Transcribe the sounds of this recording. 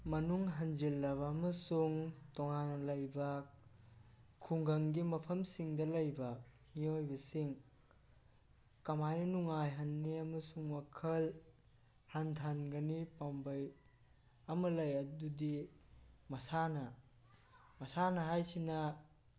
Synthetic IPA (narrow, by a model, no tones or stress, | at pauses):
mɐnuŋɦɐnd͡ʒilːɐβɐmɐsuŋtɔŋanɐlɐjbɐ | kʰuŋɡɐŋɡimɐpʰɐmsiŋdɐlɐjbɐhiojbɐsiŋ | kɐmajnɐnuŋajɦɐnːiɐmɐsuŋmɐkʰɐl | hantʰanɡɐnipambɐj | ɐmɐlɐjɐdudi | mɐsanɐ | mɐsanɐɦajsinɐ